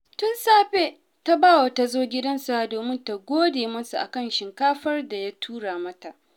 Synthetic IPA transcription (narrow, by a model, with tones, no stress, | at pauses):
tʊ˦nsaː˦ɸe˦ | ta˦baː˦wa˨ta˨zoː˦ɡʲɪ˦dɐ˦nsa˦˨doː˨mɪ˦nta˨ɡʷoː˦deː˨mɐ˦su˨ʔa̰˨kɐ˦˨nʃɪ˨ŋkaː˦ɸɐ˦rda˨ja˦tʰuː˦ɽaː˨mɐ˦ta˨ʔ